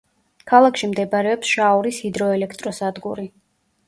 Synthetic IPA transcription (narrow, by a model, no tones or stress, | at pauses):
kʰalˠakʰʃimd̪ɛbaɾɛɔpsʃauɾishid̪ɾɔɛlɛkʰt̪ʼɾɔsad̪ɡuɾi